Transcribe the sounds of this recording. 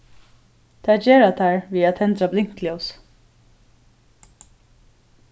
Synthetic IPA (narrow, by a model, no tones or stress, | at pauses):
t̪ʰaːd͡ʒeːɹat̪ʰæɹviːat̪hɛnt̪ɾablɪŋ̥t̪lɛws